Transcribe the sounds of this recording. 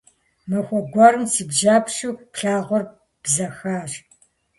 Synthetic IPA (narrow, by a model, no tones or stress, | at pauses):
mɐxʷɔɡʷɐrɨmsiːbʒaːpʰʃuːpɬaːʁʷɔr | b̥zɐxaːʒ